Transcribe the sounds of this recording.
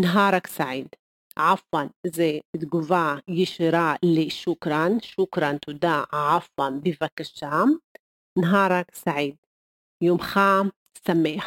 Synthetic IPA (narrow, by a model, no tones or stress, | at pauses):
nɦɑːɾˤɑksaʕiːd̪ | ʕafwanʔɪzeɪt̪ɡʊvaːjɪʃɪɾɑːliʃʊkɾˤɑnʃʊkɾˤɑnt̪ʊd̪aːʕafwanbivakːaʃːaːm | nɦɑːɾˤɑksaʕiːd̪̚ | joːmxaːm | samːeːħ